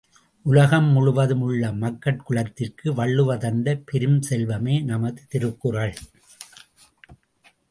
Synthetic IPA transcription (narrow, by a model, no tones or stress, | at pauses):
ʔʊlɐɣɐmːʊɻʊʋɐðɯmɯɭːɐmɐkːɐʈ̚kɯɭɐt̪ːɪrkɯʋɐɭːɯʋɐðɐnd̪ɐpɛɾɯmsɛlʋɐmeːnɐmɐðɯt̪ɪɾɯkːɯrɐɭ